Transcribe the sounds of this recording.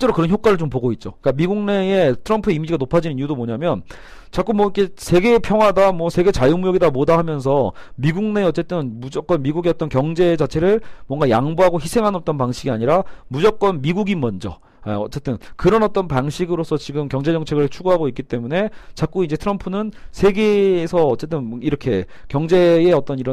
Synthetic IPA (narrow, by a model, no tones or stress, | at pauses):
ɕit͡ɕ͈e̞ɾokɯɾʌnçjok͈aɾɯɭt͡ɕomp̬oɡoit̚t͡ɕ͈ok͈amiɡuŋne̞etʰɯɾʌmpʰuimid͡ʑiɡanopʰad͡ʑinɯniudomoɲamjʌn | t͡ɕak͈umwʌik͈e̞sʰe̞ɡe̞pʰjʌŋɦwadamwʌsʰe̞ɡe̞t͡ɕajumujoɡidamodahamjʌns̬ʰʌmiɡuŋne̞ʌt͡ɕ͈e̞t͈ɯnmud͡ʑʌk͈ʌnmiɡuɡeʌt͈ʌnkjʌŋd͡ʑe̞d͡ʑat͡ɕʰe̞ɾɯɭmwʌŋɡajaŋbuɦaɡoçisʰeŋɦanʌk̚t͈ʌnpaŋɕʰiɡiaɲiɾamud͡ʑʌk̚k͈ʌnmiɡuɡimʌnd͡ʑʌ̰ | aʌt͡ɕ͈e̞t͈ɯnkɯɾʌnʌt͈ʌnpaŋɕʰiɡɯɾos͈ʰʌt͡ɕiɡɯmkjʌŋd͡ʑe̞d͡ʑʌŋt͡ɕʰe̞ɡɯɭt͡ɕʰuɡoɦaɡoik͈it͈e̞mune̞t͡ɕak͈uind͡ʑe̞tʰɯɾʌmpʰunɯnsʰe̞ɡe̞ːsʰʌːt͡ɕ͈e̞t̬͈ɯniɾʌkʰe̞ | kjʌŋd͡ʑe̞ːʌt͈ʌniɾʌ